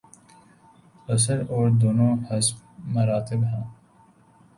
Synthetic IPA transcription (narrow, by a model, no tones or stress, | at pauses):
ɐs̬əɾoːɾd̪oːnõːhɪsmɐɾaːt̪ɪbɦãː